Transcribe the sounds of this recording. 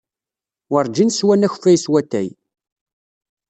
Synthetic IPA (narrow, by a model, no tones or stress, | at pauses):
wəɾˤd͡ʒinswænæçfæjswæt̪ːæ̰j